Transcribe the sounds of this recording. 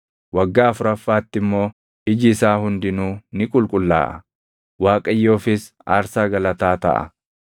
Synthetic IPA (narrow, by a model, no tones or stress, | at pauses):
wɐɡːaːɐfʊɾɐfːaːt̪ːɪmːo̞ː | ɪd͡ʒɪːsaːhʊnd̪ɪnuːnɪkʼʊlkʼʊlːa̰ːʔɐ | waːkʼɐjːoːfɪs | a̰ːɾsaːɡɐlɐt̪aːt̪ɐ̰ʔɐ̰